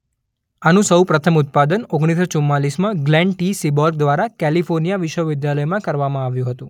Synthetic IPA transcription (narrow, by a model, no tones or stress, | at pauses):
anũsəwpɾət̪ʰəmʊt̪̚pad̪ənoɡɽ̃isot͡ʃumːalismãɡlɛ̃ɳʈisibɔɾɡ̚d̪ʋaɾakɛlifoɾnijaʋɪʃʋəʋɪd̪jaləjmãkəɾʋamãaʋjũɦət̪ũ